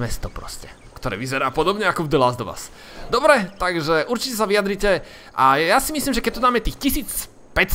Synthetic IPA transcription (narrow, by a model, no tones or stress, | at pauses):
mɛst̪ɔpɾɔ̰scɛ | kt̪ɔɾɛ̰ːʋizɛɾaːpɔd̪ɔbɲɛakɔvd̪laːzd̪ɔʋa̰ːs | d̪ɔbɾɛt̪aɡʒɛʔuɾt͡ʃicɛs̬aʋiad̪ɾicɛ | ʔajasimisliːmʒɛkɛc̚t̪ɔd̪aːmɛt̪iːxcisiːt͡s | pɛc